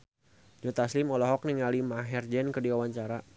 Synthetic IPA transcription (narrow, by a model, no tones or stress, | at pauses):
d͡ʒɔt̪aslimɔlɔɦɔk̚niŋalimaɦɛrd͡ʒɛnkədiwawaɲt͡ʃaɾa